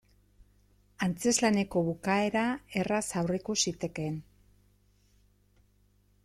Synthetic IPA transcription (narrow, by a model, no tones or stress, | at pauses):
ant͡se̞zlane̞ko̞βukae̞ɾae̞rasawrekusit̪e̞ke̞n